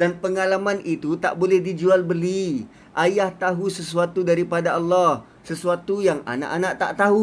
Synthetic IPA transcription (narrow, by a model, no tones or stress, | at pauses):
danpəŋalamanʔit̪ut̪a̰ʔbolɛhdid͡ʒualbəli | ʔajaht̪aɦusəs̬uat̪udaɾipadaɑlːɔh | səsuat̪ujaŋa̰na̰ʔanaʔt̪a̰ʔt̪aɦu